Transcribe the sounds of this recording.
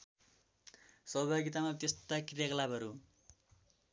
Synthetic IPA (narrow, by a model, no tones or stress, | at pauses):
sʌɦbʱaɡit̪amat̪est̪akirjaklabʱʌɾu